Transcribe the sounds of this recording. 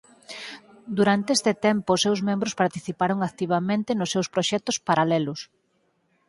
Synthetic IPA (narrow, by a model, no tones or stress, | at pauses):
d̪uɾant̪eest̪ɪt̪ɛmpʊsːewzmẽmbɾʊspaɾt̪iθipaɾoŋakt̪iβ̞amẽnt̪ɪnʊsːewspɾoʃɛt̪ʊspaɾalɛlʊs